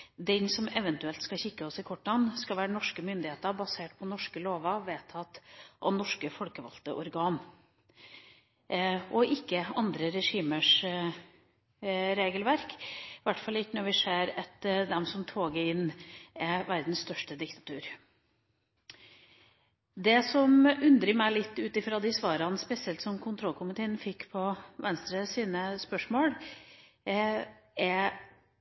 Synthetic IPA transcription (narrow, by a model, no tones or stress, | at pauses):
d̪ɛnsɔmɛʋənt̪ʉɛlt̪skɑçɪkːəɔsɪkʰɔʈːɑnːskɑʋæːɾənɔʂkəmʏnd̪ɪheːt̪əɾbɑseːʈ̚pʰɔnɔʂkəloːʋɑʋeːt̪ʰɑt̪ʔɑ̰nɔʂkəfɔlkəʋɑ̰lt̪ə̰ʔɔɾɡɑːn | ɔʔɪkːəɑnd̪ɾəɾɛʂiːməʂ | ɾeːɡəlʋæɾkʋæʈːfɑlːɪk̪ːənɔɾʋɪseːɾɑt̪d̪ɛmsɔmt̪ʰoːɡəɪnːɛʋæɾd̪n̩st̪œʂʈəd̪ɪkt̪ɑ̥t̪ʰʉːɾ | d̪ɛsɔmʉnd̪ɾəmæɪlɪt̪ːʉːt̪ɪfɾɑd̪ɪsʋɑːɾɑnspɛsɪɛlt̪sɔmkʰʊnt̪ʰɾɔlkʰʊmɪt̪ʰeːənfɪkːpʰɔʋɛnst̪ɾəsiːnəspœʂmoːɽ | ɛ